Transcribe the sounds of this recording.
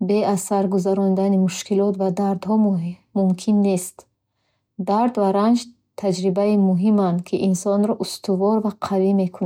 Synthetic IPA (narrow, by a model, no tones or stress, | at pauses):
be̞asaɾɡuzaɾɔnd̪animuʃkʰilɔt̪vad̪aɾd̪hɔmmumkʰinːe̞st̪ | d̪aɾd̪vaɾand͡ʒ | t̪ʰad͡ʒɾibaimuɦimand̪kʰiʔinsɔnɾɔʔust̪uvɔɾvaqʰavime̞kʰun